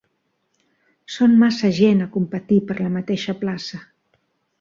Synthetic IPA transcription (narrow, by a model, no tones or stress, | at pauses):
sonmasəʒenəkumpət̪ipəɾləmət̪eʃəplasə